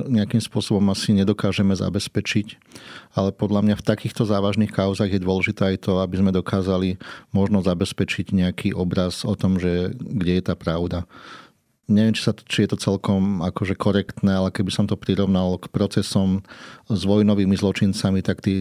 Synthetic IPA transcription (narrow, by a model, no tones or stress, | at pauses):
ɲɛakimspʊɔsɔbɔmasiɲɛd̪ɔkaːʒɛmɛza̰bɛspɛt͡ʃic | alɛpɔd̪lamɲaft̪akiːxt̪ɔzaːʋaʒnixkaʊzaːɣjɛd̪ʊɔlɛʒit̪ɛːajt̪ɔabizmɛd̪ɔkaːzalimɔʒnɔzabɛspɛt͡ʃiɟɲɛakʰiʔɔbɾazɔt̪ɔmʒɛɡɟɛjɛt̪aːpɾaʊd̪a | ɲɛʋjɛmt͡ʃi̥sat̪t͡ʃijɛt̪ɔt͡sɛlkɔmakɔʒɛkɔɾɛkt̪nɛalɛkɛbisɔmt̪ɔpɾiɾɔʊnalkpɾɔt͡sɛsɔmzʋɔjnɔʋiːmizlɔt͡ʃint͡samit̪akt̪iː